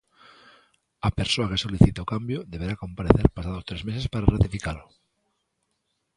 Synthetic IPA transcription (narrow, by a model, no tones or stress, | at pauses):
ape̞ɾsoake̞soliθit̪aokambjoðe̞β̞e̞ɾako̞mpaɾeθe̞ɾpasaðost̪ɾe̞zmesespaɾarat̪ifikalo